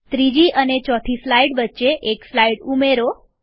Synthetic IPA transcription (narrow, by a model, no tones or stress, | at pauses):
t̪ɾid͡ʒiʔənet͡ʃɔt̪ʰislaiɽʋətːʃeʔekslaiɽumeɾo